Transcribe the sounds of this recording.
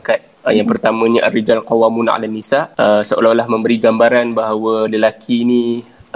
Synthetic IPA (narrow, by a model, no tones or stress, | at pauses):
kat̪̚jaŋpərt̪amə̃ɲəʔa̰rid͡ʒalkowamuna̰ʔa̰lanːisaəsəʔo̰lalahmə̃mbəɾiɡambaɾanbaɦawaləlakʰini